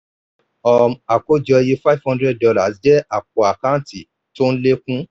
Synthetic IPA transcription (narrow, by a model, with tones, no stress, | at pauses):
ɔ˨ma˨ko˦d͡ʒɔ˧ji˦fa˦i˨vhɔ̃˦ndɾɛ˦˨ddɔ˧la˨sd͡ʒɛ˦a˨k̚ɔ˨a˨kã˦n̩˦ti˨ | to˦n̩˦le˦kũ˦